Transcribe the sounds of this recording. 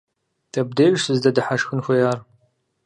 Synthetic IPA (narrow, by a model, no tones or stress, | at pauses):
dʰɐb̚deːʒsɨzdɐdɨħaʃxɨnxʷɐjaːr